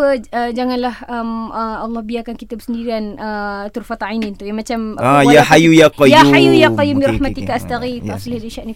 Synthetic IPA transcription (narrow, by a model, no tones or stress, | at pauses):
əəd͡ʒaŋanlahəməɑlːɔhbiakankit̪abəsəndiɾianʔət̪urfat̪ainint̪ujaŋmat͡ʃamajaħajujaqɔjaajujaqɔjumbiɾɑħmat̪ikaast̪aɣit̪afilhaɾiʃaʔni